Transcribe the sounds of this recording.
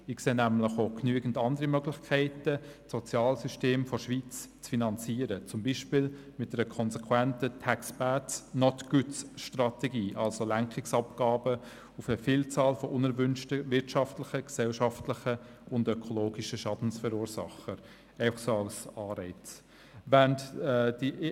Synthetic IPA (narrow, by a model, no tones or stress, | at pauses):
ɪkseːnæmlɪχoknyəɡən̩dɑndəɾimœɡlɪχkʰɛɪtəsɔt͡sjɑːlsyʃteːmfɔʃʋiːt͡st͡sfinɑnt͡siːəɾət͡sʊmbiːʃpɪl | mɪtdɛɾəkʰɔnsɛkʰwɛntətʰæksbætsnɔtɡ̥ʉt͡sʃtrɑtɛɡiːʔɑlsolæŋkχɪksɑpɡ̥ɑːbə | ʊfəfɪːlt͡sɑːlfɔʔʊnɛɾvʏnʃtəvɪɾtʃɑftlɪχəksɛlʃɑftlɪχəʊndœkʰɔloːɡiʃəʃɑdn̩sfəɾuːɾsɑ̰χəɾ | ɛɪfɑ̥χsoɑʊsɑːɾɛɪt͡s | væntːd̥i